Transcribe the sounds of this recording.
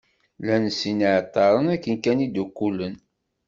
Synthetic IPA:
lænsiniʕt̪ˤːɑɾˤənækːənkænid̪ukːulən

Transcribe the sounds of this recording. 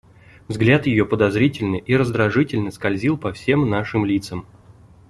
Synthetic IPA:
vzɡlʲat̪jɪjopəd̪ɐzɾʲitʲɪlʲnɨʔiɾəzd̪ɾɐʐɨtʲɪlʲnəskɐlʲzʲilˠpɐfsʲe̞mnaʂɨmlʲit̪səm

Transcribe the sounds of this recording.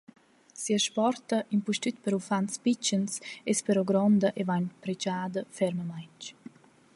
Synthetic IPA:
siəʃpɔrt̪ɐʔimpuʃt̪yt̪̚pɛɾufanspit͡ʃənsɛspɛɾɔɡɾɔnd̪əʔevaɲpɾɛd͡ʒaːd̪əfɛɾməmajnt͡ʃ

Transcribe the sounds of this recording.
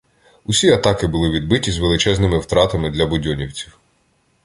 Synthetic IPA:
ʊsʲiɐt̪ɑkɪbʊlˠɪʋʲid̪̚bɪtʲizʋelˠɪt͡ʃɛznɪmɪwt̪ɾɑt̪ɐmɪd̪lʲɐbʊdʲɔnʲiwt͡sʲiw

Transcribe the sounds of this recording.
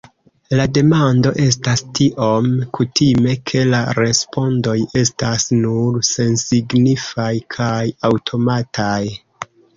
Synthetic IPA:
lade̞mando̞ʔe̞s̬tastiʔo̞mkutime̞kʰe̞laɾe̞spo̞ndo̞je̞stasnuɾse̞nsiɡnifajkʰajawtʰo̞matʰaj

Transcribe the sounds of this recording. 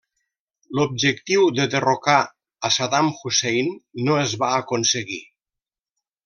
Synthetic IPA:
lob̚d͡ʒək̚t̪iwðəðeroka | əsaðamxusejnːoəzβaːkonsəɣi

